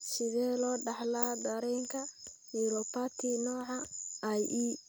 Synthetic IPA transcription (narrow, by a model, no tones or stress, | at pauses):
ʃɪðɛːlɔːɖɑħlaːd̪ɐɾɛŋkʰɐ | jɪɾɔpat̪ʰinɔːʕɑajʔiː